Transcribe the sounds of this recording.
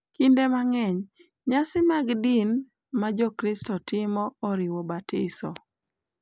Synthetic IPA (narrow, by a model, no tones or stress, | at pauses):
kindemaŋɛɲ | ɲasɪmaɡdin | mad͡ʒɔkɾɪstɔtɪmɔːɾɪwɔbatʰɪsɔ